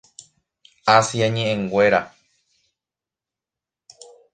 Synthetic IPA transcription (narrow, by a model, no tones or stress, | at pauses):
asjaɲẽʔẽŋɡwe̞ɾa